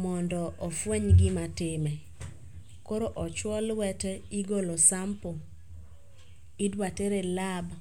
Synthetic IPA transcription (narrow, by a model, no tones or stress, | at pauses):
mɔndɔʔɔfweɲɡɪmatɪmɛ | koɾoʔɔt͡ʃwɔlwɛtɛiɡolosampo | idwateɾelab